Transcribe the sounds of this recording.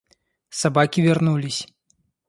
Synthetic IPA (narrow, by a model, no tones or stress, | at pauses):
sabakʲivʲɛrnulʲisʲ